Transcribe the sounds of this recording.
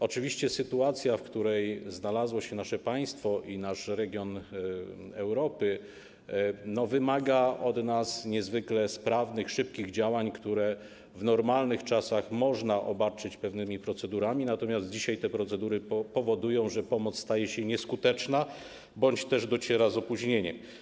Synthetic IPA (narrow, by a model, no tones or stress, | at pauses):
ɔt͡ʂɘvʲiɕt͡ɕɛsɘt̪uat̪sʲjafkt̪uɾɛjznalazwɔɕɛnaʂɛpaj̃st̪fɔʔinaʂɾɛɡʲjɔn | ɛwɾɔpɘ | nɔvɘmaɡaʔɔd̪nasɲɛzvɘklɛspɾavnɘxʂɘp̚kʲiɣd͡ʑawaɲkt̪uɾɛ | vnɔɾmalnɘxt͡ʂasaxmɔʐnaʔɔbat͡ʂɘt͡ɕpɛvnɘmʲipɾɔt̪sɛd̪uɾamʲinat̪ɔmʲjazt̪̚d͡ʑiɕajt̪ɛpɾɔt̪sɛd̪uɾɘpɔvɔd̪ujɔ̃w̃ʐɛpɔmɔt̪sst̪ajɛɕɛɲɛskut̪ɛt͡ʂna | bɔɲt͡ɕt̪ɛʐd̪ɔt͡ɕɛɾazɔpuʑɲeɲɛm